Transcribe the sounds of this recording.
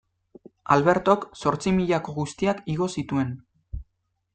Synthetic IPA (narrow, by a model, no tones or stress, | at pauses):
alβe̞ɾt̪o̞kso̞ɾt͡simiʎako̞ɣust̪iakiɣ̞o̞sit̪ue̞n